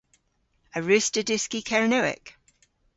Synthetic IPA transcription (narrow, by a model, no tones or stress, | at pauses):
əɹʉˑstədɪskikʰɛɹənəʊɪ̰k